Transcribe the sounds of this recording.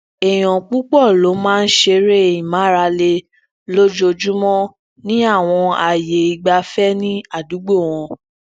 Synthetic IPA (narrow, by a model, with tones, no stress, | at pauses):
ɛ˨j̃ɔ̃˨k͡pu˦k͡pɔ˦˨lo˨˦mãː˦˧n̩˦ʃe˧ɾe˦e˨jĩ˨mã˨˦ɾa˧le˧ | lo˦d͡ʒo˧d͡ʒu˦mɔ̃˦ | nĩ˦a˦˨w̃ɔ̃˧a˨je˨i˨ɡ͡ba˧fɛ˦nĩ˦a˦˨du˨˦ɡ͡bo˦˨w̃ɔ̃˧